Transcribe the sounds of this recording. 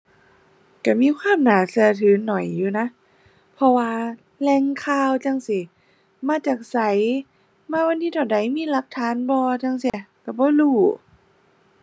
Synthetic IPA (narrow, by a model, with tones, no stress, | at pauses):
ka˧˩miː˧˥˨kʰwaː˧˥˨mnaː˨˦sɯ˧˩˦ɐ˦t̪ʰɯː˨˦nɔ˨˩˦jːuː˧˩na˧˥ʔ | pʰɔ˧waː˧ | lɛː˧ŋkʰaː˧˨wt͡ɕa˧ŋsi˧˩ | maː˧˥˨t͡ɕaː˨˩k̚sa˨˦j | maː˧˥wa˧nːiː˧˥t̪ʰɔ˧˩da˨˦jmiː˧˥˨la˧˦k̚t̪ʰaː˧˦nbɔː˧t͡ɕa˧˨ŋsi˧ka˧˩bɔː˧˦luː˧˩